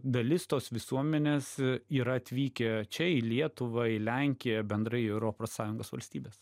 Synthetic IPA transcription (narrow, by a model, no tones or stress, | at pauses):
d̪ɐlʲɪst̪oːsʋʲɪsuɔmʲɛnʲeːsiːɾɐɐt̪ʲʋʲiːkʲɛt͡ʃʲɛɪlʲiɛt̪ʊʋɐɪlʲæŋʲkʲɪjɛbʲɛnd̪ɾɐɪɛʊɾopɐssɑːjʊŋɡoːsʋɐ̰lʲsʲt̪ʲiːbʲeːs